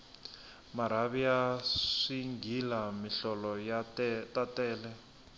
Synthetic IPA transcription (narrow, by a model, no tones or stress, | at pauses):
maɾaβiaʂiŋɡʱilamiɬɔlɔjtatɛːlɛ